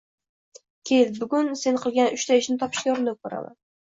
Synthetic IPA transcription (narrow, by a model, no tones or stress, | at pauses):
kʲʰelbʊɡʊnse̞nqʰɨlˠɡʲanʊʃt̪ʰaɪʃnɪt̪ʰɒpʰɪ̥ʃkʲajoɾɪnakʰɵɾa̰ma̰n